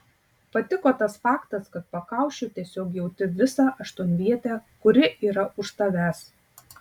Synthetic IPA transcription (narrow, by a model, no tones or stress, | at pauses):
pɐt̪ʲɪkoːt̪ɐsfɑːkt̪ɐskɐt̪̚pɐkɑˑʊʃʲt͡ʃʲʊt̪ʲiɛsʲoːkjɛʊt̪ʲɪʋʲɪsɑːʔɐʃt̪ʊnʲʋʲiɛt̪ʲækʊɾʲɪʔiːɾɐʔʊʃsɐʋʲæːs